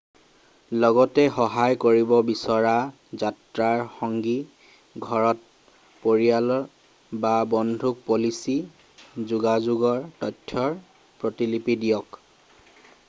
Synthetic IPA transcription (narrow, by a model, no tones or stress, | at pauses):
lɔɡɔtɛxɔɦajkoɹibɔbisɔɹa | zatɹaɹxɔŋɡi | ɡʱɔɹɔt̚ | poɹijalɔ | babɔndʱuk̚polisi | zuɡazuɡɔɹtɔtʰːɔɹ | pɹotilipidijɔk